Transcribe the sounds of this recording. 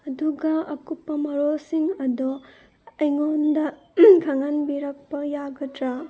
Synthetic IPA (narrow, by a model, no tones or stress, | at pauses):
ɐduɡɐɐkupːɐmɐɾolsiŋɐdu | ɐjŋondɐ | kʰaŋanbiɾɐk̚pɐjaɡɐdɾa